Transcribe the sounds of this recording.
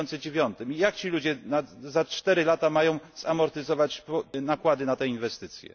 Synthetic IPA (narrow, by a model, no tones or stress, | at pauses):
ɔnt̪sɨd͡ʑevʲjɔnt̪ɘmijakt͡ɕilud͡ʑɛnazat͡ʂt̪ɛɾɘlat̪amajɔ̃w̃zamɔɾt̪ɘzɔvat͡ɕɔnakwad̪ɘnat̪ɛinvɛst̪ɘt̪sʲjɛ̰